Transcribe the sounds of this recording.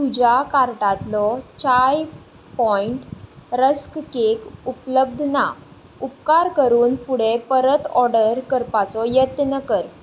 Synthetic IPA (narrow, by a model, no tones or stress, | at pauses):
t̪ud͡ʑjakaɾʈat̪lɔt͡ɕaj | pɔiɳʈɾəskkekupləb̚d̪ʱna | upkaɾkəɾuːnfuɽepəɾət̪ɔɾɖəɾkəɾpat͡sɔjət̪nəkəɾ